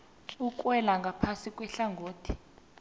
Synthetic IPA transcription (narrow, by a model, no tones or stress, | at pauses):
uk̬ʼwɛlaŋɡʱapʰasikʼwɛɬaŋɡoːtʰi̥